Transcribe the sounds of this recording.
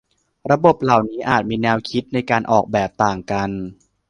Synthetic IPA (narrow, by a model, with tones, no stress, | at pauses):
ɾa˧bo˨˩p̚la˨˩wniː˦˥ʔaː˨˩t̪̚miː˧nɛː˧wkʰi˦˥t̪̚na˧jkaː˧nʔɔ̰ː˨˩k̚bɛː˨˩p̚t̪aː˨˩ŋka˧n